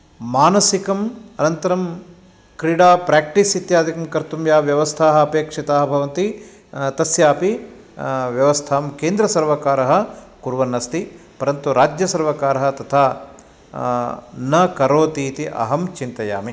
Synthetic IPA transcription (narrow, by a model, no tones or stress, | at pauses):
maːnɐsikɐmɐnɐnt̪ɐɾɐm | kɾiɽaːpɾaːk̚ʈisit̪jaːd̪ʱikɐmkɐɾt̪umjaːʋjɐʋɐst̪ʰaːɦɐɐpeːkʂit̪aːɦɐbʱɐʋɐnt̪i | t̪ɐsjaːpi | ʋjɐʋɐst̪ʰaːmkeːnd̪ɾɐsɐɾʋɐkaːɾɐɦɐ̆ | kuɾʋɐnːɐst̪i | pɐɾɐnt̪uɾaːd͡ʒjɐsɐɾʋɐkaːɾɐɦɐ̆t̪ɐt̪ʰaː | nɐkɐɾoːt̪iːt̪iʔɐ̰ɦɐmt͡ʃint̪ɐja̰ːmi